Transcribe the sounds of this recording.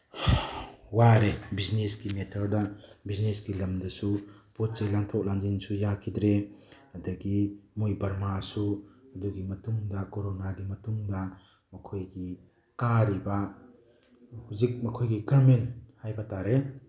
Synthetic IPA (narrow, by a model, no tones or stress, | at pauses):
waɾebiznesɡimetʰɔɾdabiznesɡilɐmdɐsupot̚sijlaŋtʰɔk̚laŋd͡ʒinsujakʰidɾe | ɐdɐɡimojbɐɾmasuɐduɡimɐtuŋdɐkoɾonaɡimɐtuŋdɐ | mɐkʰojɡi | kaɾiba | huzik̚mɐkʰojɡiɡaɾmenhajbataɾe